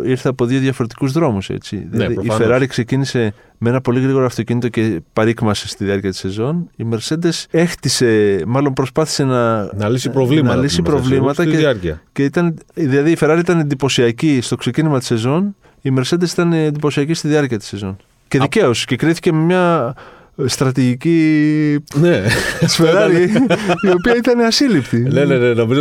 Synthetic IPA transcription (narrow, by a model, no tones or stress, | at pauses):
iɾθeɐpo̞ðio̞ðʝɐfo̞ɾet̪i̥kuzðɾo̞musḛt͡sḭðilðiːfe̞ɾɐɾikse̞cinise̞ | mee̞nɐpo̞liɣɾiɣo̞ɾoɐft̪o̞cinit̪o̞ce̞pɐɾikmɐse̞st̪iðiɐɾciɐt̪i̥se̞zo̞nime̞ɾse̞nd̪e̞se̞xt̪ise̞mɐlo̞mpɾo̞spɐθi̥se̞nɐnɐlisipɾovlimnɐlisipɾo̞vlimɐt̪ɐɐɾciɐceit̪ɐnðilɐðiːfe̞ɾɐɾiit̪ɐnend̪ipo̞siɐcist̪o̞kse̞cinizmɐt̪i̥se̞zo̞n | ime̞ɾse̞nd̪e̞si̥t̪ɐnːnd̪ipo̞siɐcist̪iðiɐɾciɐt̪i̥se̞zo̞n | ce̞ðice̞o̞si̥ce̞kɾiθi̥ce̞me̞mɲɐ | st̪ɾɐt̪iʝici | nesfeɾɐɾiio̞piɐit̪ɐneɐsilipt̪inenenenomiz